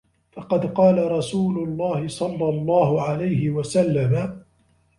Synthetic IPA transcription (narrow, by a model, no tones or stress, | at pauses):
fɑqɑd̪qɑːlaɾˤɑsuːlʊlˤːɑːhɪsˤɑlːɑlˤːɑːhʊʕalajɦɪwasalːama